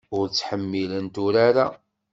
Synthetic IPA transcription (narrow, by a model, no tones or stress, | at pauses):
ʊɾt͡sːħəmːilənt̪ʊɾaɾa